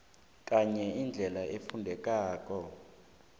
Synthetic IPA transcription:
k̬ʼaɲɛind͡ɮʱɛlaʔefundʱɛk̬ʼaːk̬ʼɔ

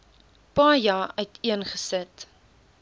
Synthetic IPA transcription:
pɑːjɑːœtiənχəsət

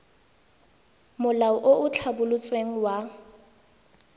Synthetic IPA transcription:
mʊlaɔʔoʊt͡ɬʰabʊlʊt͡sʼweŋ̩wa

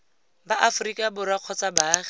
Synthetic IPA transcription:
baʔafʊrikʼabʊɾwaq͡χʰɔt͡sʼabaːχ

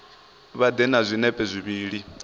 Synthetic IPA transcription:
βad̪ɛnazʷinɛpʼɛzʷiβiːɺi

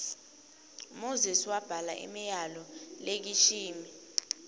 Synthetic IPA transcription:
moziswab̥ʱala̰ʔḭmijalɔlek̬it͡ʃʰiːmi

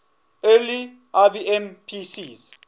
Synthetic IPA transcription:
eli | abiɛmpʰisiz

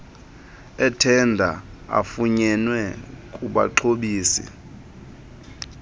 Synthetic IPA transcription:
ɛtʰɛndʱa̰a̰fuɲɛnwɛkʼuɓa̰ǃʰoɓiːsɛ̰

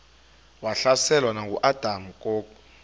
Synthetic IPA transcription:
waɬasɛlwanak̬ṵʔad̥ʱamukʼoːku

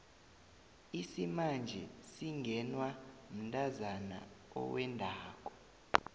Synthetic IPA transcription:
isimand͡ʒʱɛsiŋʱɛnwam̩ntʼazana̰ | ɔ̰wɛndʱaːk̬ʼɔ

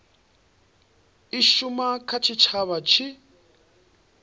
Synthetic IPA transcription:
iʃumakʰat͡ʃʰit͡ʃʰaβat͡ʃʰi

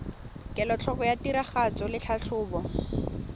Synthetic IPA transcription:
kʼɛlɔt͡ɬʰɔkɔjatiɾaχat͡sɔlɪt͡ɬʰaɬʰʊːbɔ

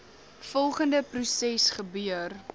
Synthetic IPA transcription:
fɔlˠχəndəprusɛsχəbyər

